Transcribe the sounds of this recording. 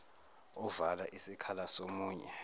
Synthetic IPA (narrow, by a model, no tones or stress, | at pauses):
ɔvalaʔisikʰalasomuːɲɛ